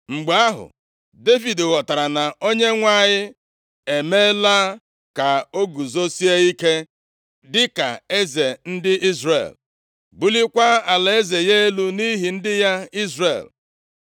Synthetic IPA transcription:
ŋ͡m̩˨ɡ͡ba˨a˦ɦʊ̰˨ | de˦fi˨dɣɔ˨ta˨ɾa˨na˨o˦ɲe˦ŋʷa˦˨ɲɪ˦ | e˨me˦la˦ | ka˨o˦ɡu˨zo˦si˦e˦i˦ke˦ | dɪ˦ka̰˨e˦ze˨n̩˦dɪ˦ʔi˦zrḛ˨l | bu˦li˦kʷa˦a˨la˨e˦ze˨je˦e˦lu˦ni˦ɦi˨n̩˦dɪ˦ja˦i˦zrḛ˨l

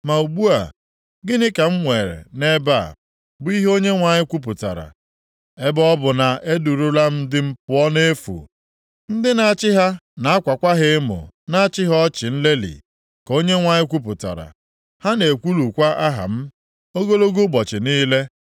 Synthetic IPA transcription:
ma˨u˨ɡ͡bu˦a˨ | ɡɪ˦nɪ˦ka˨m̩˦ŋʷe˨ɾḛ˨ne˦ba̰˦˨ | bʊ˦i˦ɦo˦ɲe˦ŋʷa˨ɲɪ˦kʷu˦p̬ʊ˨ta̰˨ɾa̰˨ | e˦bɔ˦bʊ˨na˨e˦du˨ɾu˦la˦m̩˦dɪ˦m̩˦pʊ˦ɔ˦ne˦fṵ˨ | n̩˦dɪ˦na˨t͡ʃɪ˦ɦa˦na˨a˦kʷa˨kʷa˦ɦɪ˦mʊ̰˨na˦a˦t͡ʃɪ˦ɦɔ˦t͡ʃɪ˨n̩˦le˦lḭ˨ | ko˦ɲe˦ŋʷa˨ɲɪ˦kʷu˦p̬ʊ˨ta̰˨ɾa̰˨ | ha˦ne˨kʷu˦lu˨kʷa˦ʔa˦ɦa̰˨m̩˦ | o˦ɡo˦lo˦ɡu˦bɔ˨t͡ʃɪ˨niː˦le˦

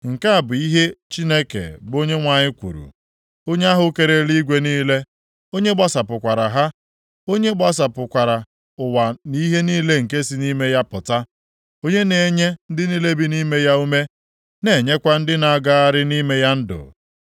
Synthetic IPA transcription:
ŋ̩˨ka˦a˨bʊ˨i˦ɦe˦t͡ʃi˦ne˦kḛ˨bo˦ɲe˦ŋʷa˨ɲɪ˦kʷṵ˨ɾṵ˨ | o˦ɲe˦a˦ɦʊ˨˦ke˨ɾe˨li˦ɡʷe˦niː˦le˦ | o˦ɲe˦ɡ͡ba˦sa˨pʊ˨kʷa˨ɾa˨ɦa˦ | o˦ɲe˦ɡ͡ba˦s̬a˨pʊ˨kʷa˨ɾa˨ | ʊ˨wa˨ni˦ɦe˦niː˦le˦ŋ̩˨k̬e˦si˨ni˦me˦ja˦pʊ˨ta˦ | o˦ɲe˦ne˨ɲe˦n̩˦dɪ˦ni˦le˦bi˦ni˦me˦ja˦u˦me˦ | ne˨ɲe˦kʷa˦n̩˦dɪ˦na˨ɡa˦a˦ɾɪ˦ni˦me˦ja˦n̩˦dʊ̰˨

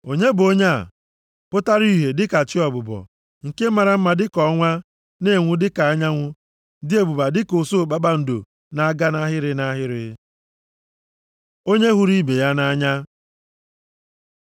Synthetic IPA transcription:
o˨ɲe˦bo˦ɲe˦a̰˨ | pʊ˦ta˦ɾi˦ɦe˨dɪ˦ka˨t͡ʃɪ˦ɔ˨bʊ˨bɔ̰˨ | ŋ̩˨ke˦ma˨ɾa˨m̩˦ma˨dɪ˦kɔ˨˦ŋʷa˦ | ne˦˨ŋʷʊ˦dɪ˦ka˨a˦ɲa˦ŋʷʊ˦ | dɪ˦e˨bu˨ba˨dɪ˦ko˨so˦˨k͡pa˦ɓa˦n̩˨do̰˨ | na˦ɡa˦na˦ɦɪ˦ɾɪ˦na˦ɦɪ˦ɾɪ˦ | o˦ɲe˦ɦu˦ɾi˦be˨ja˦na˦ɲa˦

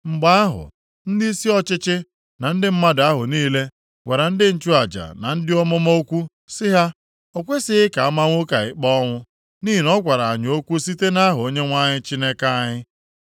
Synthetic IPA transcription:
ŋ͡m̩˨ɡ͡ba˦a˦ɦʊ̰˨ | n̩˦di˦i˦si˦ɔ˦t͡ʃɪ˦t͡ʃɪ˦ | na˨n̩˦dɪ˦m̩˦ma˦da˦ɦʊ˨niː˦le˦ | ɡʷe˨ɾa˨n̩˦dɪ˦n̩˦t͡ʃu˦a˨d͡ʒa̰˨na˨n̩˦dɪ˦ɔ˦mɔ˦mo˦kʷu˦ | sɪ˦ɦa˦ | o˨kʷe˦sɪ˦ɪ˦ka˨a˦ma˦ŋʷo˦ka˨ɪ̰˨k͡pɔ˦ŋʷʊ˦ | niː˦i˨nɔ˦kʷa˨ɾa˨a˨ɲ˨o˦kʷu˦si˦te˦na˦ɦʊ˨o˦ɲe˦ŋʷa˦ɲɪ˦t͡ʃi˦ne˦ka˦a˦˨ɲɪ˦

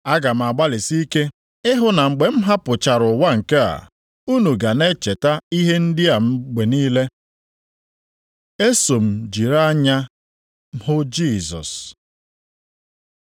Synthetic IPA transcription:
a˦ɡa˨m̩˨a˨ɡ͡ba˦lɪ˨si˦ke˦ | ɪ˦ɦʊ˨na˨ŋ͡m̩˨ɡ͡be˨m̩˦ɦa˦pʊ˨t͡ʃa˨ɾʊ˨wa˦ŋ̩˨ke˦a̰˨ | u˦nu˨ɡa˨ne˦t͡ʃe˨ta˦i˦ɦe˦n̩˦dɪ˦a˨m̩˦ɡ͡be˨niː˦le˦ | e˦so˨m̩˨d͡ʒi˨ɾa˦ɲa˦ | hʊ˦d͡ʒi˦˨zɔ̰˨s

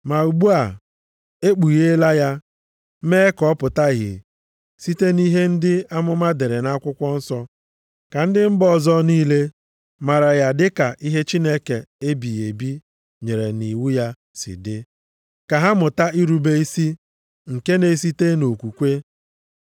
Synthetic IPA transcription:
ma˨u˨ɡ͡bu˦a˨ | e˦k͡pu˨ɣe˦la˦ja˦ | me˦kɔ˦pʊ˨ta˦ɣɪ̰˨ | si˦te˦ni˦ɦe˦n̩˦dɪ˦a˦mʊ˦ma˦de˨ɾe˨na˦kʷʊ˦kʷɔ˦n̩˦sɔ˦ | ka˨n̩˦dɪ˦m̩˦bɔ˦˨zɔ˦niː˦le˦ | ma˨ɾa˨ja˨dɪ˦ka˨ʔi˦ɦe˦t͡ʃi˦ne˦ke˨e˦bi˨je˨bi˦ | ɲe˨ɾe˨ni˨wu˦ja˦ | sɪ̰˨dɪ˦ | ka˨ɦa˦mʊ˨ta˦i˦ɾu˨be˦i˦si˦ | ŋ̩˨ke˦ne˨si˦te˦no˨kʷu˨kʷe˦

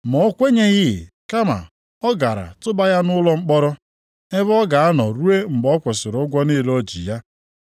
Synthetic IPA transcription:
mɔ˨o˦kʷe˦ɲe˦ɣɪ˦˨ | ka˦ma̰˨ | ɔ˦ɡa˨ɾa̰˨tʊ˦ba˦ja˦nʊ˦lɔ˦ŋ͡m̩˦k͡pɔ˦ɾɔ˦ | e˦βɔ˦ɡa˨a˦nɔ˨ɾu˦e˦ŋ͡m̩˨ɡ͡bɔ˦kʷʊ˨sɪ˨ɾʊ˦ɡʷɔ˦ni˦˨ɾɔ˦d͡ʒḭ˨ja˦

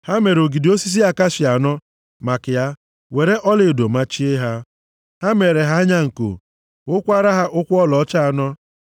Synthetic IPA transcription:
ha˦me˨ɾo˨ɡi˨di˨o˦si˦s̬i˦a˦ka˦ʃɪ˨a˨nɔ˦ | ma˨kɪ˨ja˦ | we˨ɾe˦ʔɔ˦le˨do˨ma˦t͡ʃi˦e˦ɦa˦ | ha˦me˨ɾe˨ɦa˦ɲa˦ŋ̩˨ko̰˨ | ʊ˦kʷa˦ɾa˦ɦa˦ʔʊ˦kʷɔ˦lɔ˨ɔ˦t͡ʃa˦˨nɔ˦

